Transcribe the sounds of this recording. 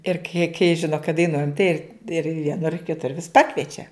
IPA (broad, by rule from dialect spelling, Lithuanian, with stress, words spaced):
ɪr kɐɪ kɐɪ ˈʒʲɪnoː kɐt dɐɪˈnuɔjɛm tɐɪ ɪr ɪr ʋʲiɛˈnʊr kʲɪˈtʊr ʋʲɪs ˈpɑːkʋʲiɛt͡ʃʲɛ